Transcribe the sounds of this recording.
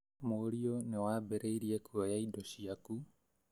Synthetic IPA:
moːɾionewaːbeɾeiɾiekuajaidosiaku

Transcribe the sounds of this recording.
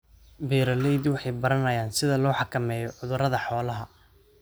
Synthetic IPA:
biːɾɐlɛjd̪wɑħɑjbɐɾɐnɐjaːnsɪðɐlɔːħɑkʰɐmɛːjɔʕʊðʊɾɐðɐħɔːlɐɦɐ

